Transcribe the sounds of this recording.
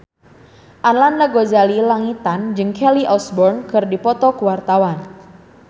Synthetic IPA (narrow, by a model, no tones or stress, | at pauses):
ʔanlanːaɡozalilaŋit̪and͡ʒɨŋkʰɛliʔɔsbɔrnkɨrdipɔt̪ɔkəwart̪awan